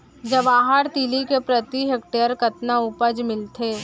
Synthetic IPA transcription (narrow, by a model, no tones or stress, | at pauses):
d͡ʒɐʋaːɦaːɾt̪iːlikepɾɐt̪iɦek̚ʈeːəɾkɐt̪naupəd͡ʒmɪlt̪ʰeː